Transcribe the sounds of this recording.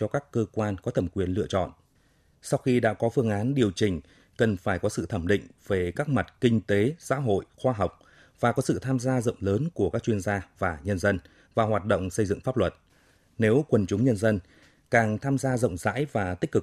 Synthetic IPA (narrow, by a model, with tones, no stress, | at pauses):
t͡ɕɔ˧kaː˦˥kːəː˧kwaː˧nkɔ˨˦t̪ʰə˨˩mkwi˨˩ənlɨ̰˧˨ət͡ɕɔ̰˧˨nʔ | sa˧wxi˧ɗa̰ː˧˥kɔ˨˦fɨ˧əŋʔaː˨˦nɗi˨˩əwt͡ɕï˨˩ŋ̟ | kə˨˩nfaː˧˩jkɔ˨˦sɨ̰˧˨t̪ʰə˧˩mɗḭ̈˧˨ŋ̟ve˨˩kaː˦˥k̚ma˨˩t̚kï˧ŋ̟t̪e˨˦za̰ː˧˥ɦo̰˧˨jxwaː˧ɦa˨˩wk͡p̚ | vaː˨˩kɔ˨˦sɨ̰˧˨t̪ʰaː˧mzaː˧zə̰˧˨wŋ͡mləː˨˦nku˧˩əkaː˦˥k̚t͡ɕwi˧ənzaː˧vaː˨˩ɲə˧nzə˧n | vaː˨˩ɦwaː˨˩t̚ɗo̰˧˨wŋ͡msə˧jzɨ̰˧˨ŋfaː˦˥p̚lwə˨˩t̚ | ne˨˦wkwə˨˩nt͡ɕʊ˨˦ŋ͡mɲə˧nzə˧n | kaː˨˩ŋt̪ʰaː˧mzaː˧zə̰˧˨wŋ͡mza̰ː˧˥jvaː˨˩t̪ï˦˥k̟̚kɨ˨˩k̚